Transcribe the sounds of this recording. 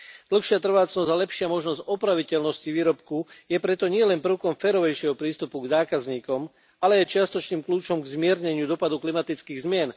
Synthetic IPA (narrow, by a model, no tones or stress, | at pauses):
d̪̥l̩xʃɪat̪r̩ʋaːt͡snɔzalɛpʃɪamɔʒnɔzɟɔpɾaʋicɛlnɔsciʋiːɾɔpkujɛpɾɛt̪ɔɲɪɛlɛnpr̩ʊkɔmfɛːɾɔʋɛjʃɪɛɦɔpɾiːst̪upuɡzaːkazɲiːkɔm | alɛjɛt͡ʃɪast̪ɔt͡ʃniːmkluːt͡ʃɔmɡzmɪɛɾɲɛɲɪud̪ɔpad̪uklimat̪it͡skiːɣzmɪɛn